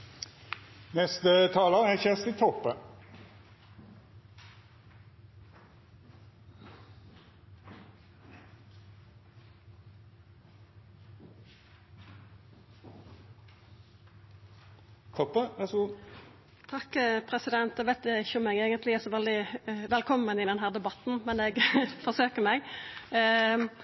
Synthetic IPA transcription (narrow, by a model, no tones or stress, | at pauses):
nɛst̪ət̪ʰɑːləʁæçɛst̪ɪt̪ʰɔpːə | kʰɔpːəʋɛsɡu | t̪ʰɑkːəpʰʁɛsɪd̪ɛnt̪ɛɡʋæɪt̪̚d̪ɛɪçːəʊmɛɡæɡənt̪lɪæsɔʋɛld̪ɪʋɛlkʰɔmːənɪd̪ɛnɦæːʁd̪ɛbɑt̪n̩mɛnɛɡfɔʁsøːkəmɛɡ